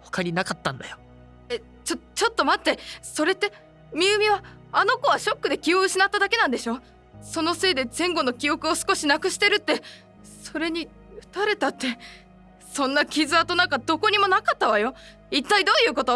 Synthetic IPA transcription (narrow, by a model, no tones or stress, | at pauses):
ho̥kaɾʲinakat̪ːã̰nd̪a̰jo | e | t͡ɕot͡ɕo̞t̪ːo̞mat̪ːe̞so̞ɾe̞t̪ːe̞ | mʲiɯ̟mʲiβaː | no̞ko̞β̞aɕo̞kːɯ̟d̪e̞kʲioɯ̟ɕinat̪ːad̪ake̞nãnd̪e̞ɕo̞ː | so̞no̞se̞ːd̪e̞zẽ̞ŋɡo̞no̞kʲio̞kɯ̟o̞sɨ̥ko̞ɕinakɯ̟ɕi̥t̪e̞ɾɯ̟t̪ːe̞ | so̞ɾe̞ɲ̟i | ɯ̟̥t̪aɾe̞t̪at̪ːe̞ | sõ̞nːakʲizɨat̪o̞nãŋk̬ad̪o̞ko̞ɲ̟imo̞nakat̪ːaβajo̞ | it̪ːaid̪o̞ːjɯ̟ːko̞t̪o